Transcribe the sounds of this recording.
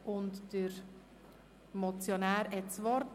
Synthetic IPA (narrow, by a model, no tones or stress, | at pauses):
ʔʊntd̥əɾ | mɔt͡sjonæːɾɛtt͡sʋɔɾt